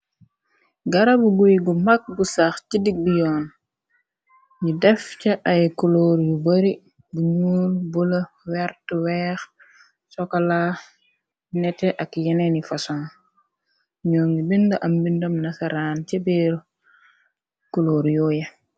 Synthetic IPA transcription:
ɡɐɾabuɡujɡumak̚busaxcidik̚dijɔːn | jidɛfcɐʔɐjkuloːɾjubəɾi | buɲuːlbulɐ | wɛɾtəwɛːx | sɔkala | nɛtɛʔɐkjɛnɛnifasɔn | ɲɔːŋɡibindɐʔɐmbindɐmnɐsaɾaːncɛbɛɾ | kuloːɾjɔːjɐ

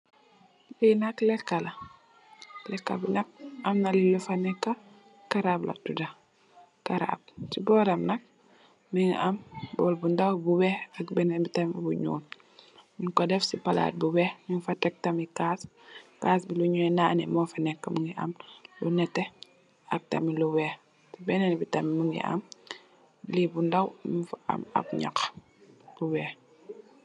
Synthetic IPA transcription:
linaklɛkːala | lɛkːa̰binak̚amnalilufanɛkːa | kaɾabla̰tuda | kaɾa̰b̚sibɔːɾamnak̚ | miŋʔambɔlbundawbubɛakbɛnɛbitambuɲṵːn | munkɔdɛfsipɐla̰ːt̚buwɛmiŋfɐtɛk̚tɐmikaːs | kaːsbiluɲuɛnaːnɛmɔːfɐnɛkːɐmuŋɡiʔɐ̰mlunɛtːɛ | ɐk̚tɐmiluwɛː | tibɛnɛnbitɐmimuŋḭʔɐ̰m | libundɐwifaʔɐ̰mɐ̰p̚ɲa̰k | b̥uwɛː

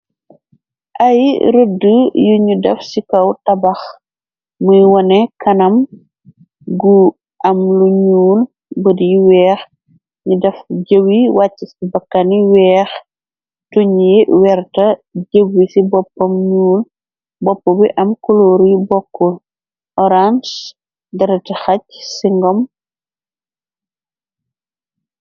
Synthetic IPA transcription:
ʔɐjɾədujuɲudɛfsikɐwtɐbɐx | mujwɔnɛkɐnɐm | ɡu | ʔɐmluɲuːl | bədiwɛːx | ɲudɛfɟəwiwacːisibɐkːaniwɛːx | tuɲiwɛɾtɐɟəɡːisibɔpːɐmɲuːl | bɔpːɔbiʔɐmkɔloːɾjibɔkːɔl | ɔɾans | dɐɾɐtixɐc̚siŋɡɔm

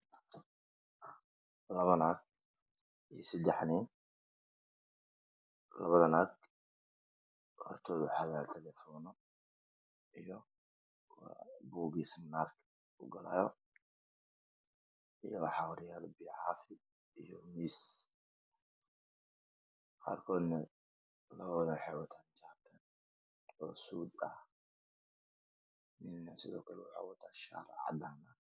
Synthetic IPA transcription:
lɐβɐnaːɡ̚ | isɛd̪ɛħniːn | lɐ̰βɐðɐnaːɡ̚ | hɔ̰rt̪ʰɔːðʊħɑɣaːlt̪ʰɛlɛfɔnɔ | ijɔ | buːɡismnaːrk | ʊ̰ɡɐla̰ːjɔ | ʔɨjːoħawɾijalɨbiʕafi | ʔɨjomis | kʰa̰lkʰon | lɐwoloħawɔt̪ʰant͡ʃat̪ʰɐn | osud̪ʼa | minasɨzokʰoluħa̰wɔt̪ʰaʃa̰ɾa̰ʕd̪ana

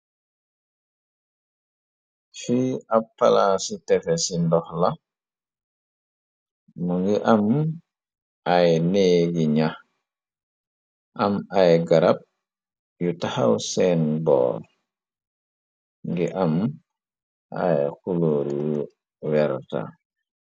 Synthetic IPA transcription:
fiapːalasitɛfɛsindɔxla | muŋɡiʔam | ʔajneɡiɲah | ʔamajɡaɾap̚ | jutahawsɛnbɔ̰ːɾ | ŋɡiʔam | ʔa̰jxuloɾju | wɛɾta̰

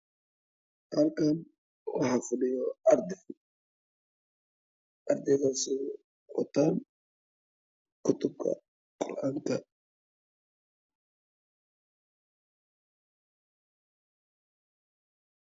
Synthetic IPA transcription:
qaːlkʰan | wɑħɑfʊɗɪjɔɐɾd̪ɛ | ɐɾd̪ɛkaːsɛ | wɔ̰t̪ʰaːn | kʰʊt̪ʊb̚kʰɐ̰ | qɔ̰rʔaːŋkʰɐ

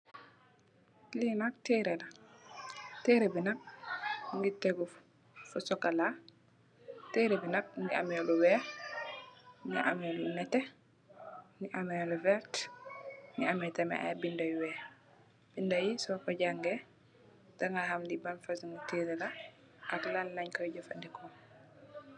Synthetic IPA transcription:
linak̚tɛːɾɛla | tɛɾebinɐk̚ŋɡitɛɡu | fusɔkala | tɛːɾɛbinɐk̚ŋɡia̰mɛluwɛ | ŋɡḭʔa̰mɛlunɛtɛ | ŋɡiʔamɛluvɛɾt | ŋɡiamɛtɛmɛ̰ʔa̰bindajwɛː | b̥indajisɔkɔɟaŋɡɛ | d̥aŋɡahamdibanfasŋɡutiɾɛla | ʔaklallaɲkɔjɟɔfa̰ndikɔ

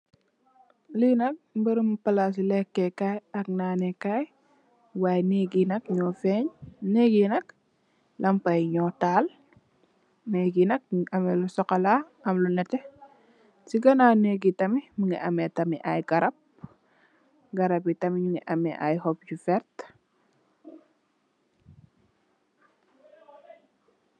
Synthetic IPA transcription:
linɐk̚mbɐɾumpɐlas̬ilɛkːɛkajɐk̚naːnɛkaj | waːjneɡinɐk̚ɲɔfɛɲneɡinɐk̚ | lɐmpɐjɲɔːtaːl | neɡinɐk̚ɐmɛlusɔkɐla | ɐmlunɛtɛ | siɡɐnaneɡitɐmimuŋɡḭʔɐmɛtɐmiʔajɡɐɾɐp̚ | ɡɐɾɐpitɐmiɲuŋḭʔɐmɛ̰ʔa̰jhɔp̚ɟufɛɾt

